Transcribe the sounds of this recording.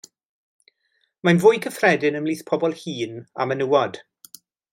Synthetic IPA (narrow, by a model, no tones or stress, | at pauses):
manvʊːjkʰəfrɛdɪnəmliːθpʰɔbɔlˠhiːna̰mənuwɔd̥